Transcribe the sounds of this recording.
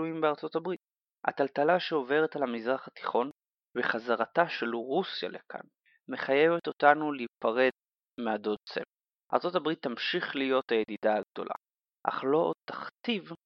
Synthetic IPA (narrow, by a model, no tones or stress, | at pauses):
ujimbeaʁt͡so̞tabʁit̪̚ | a̰t̪alt̪alaʃeo̞ve̞ʁetalhamizʁaχat̪i̥χo̞n | veχazaʁat̪aʃeluʁusja̰lekʰa̰n | meχajevet̪o̞tanulipaʁe̞d̪ | mead̪o̞d̚t͡sḛm | ʔa̰ʁt͡so̞tabʁit̪ːamʃiχlijo̞thajed̪idaːɡ̚d̪o̞̰lʔa̰ | ʔa̰χlo̞t̪aχt̪iv